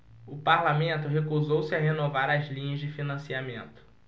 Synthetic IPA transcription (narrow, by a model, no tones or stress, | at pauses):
ʊpaɾlamẽnt̪ʊɦekuzowsɪɐɦenovaɾɐzlĩɲɐzd͡ʒɪfinɐ̃siamẽnt̪ʊ̥